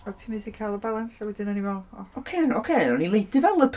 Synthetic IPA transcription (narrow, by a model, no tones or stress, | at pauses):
ɔtʰimɨsikʰajlˠəbalˠansawɛdɨnanivɛlˠɔokʰenokʰeɔnilˠejdɨvɛlˠəpʰ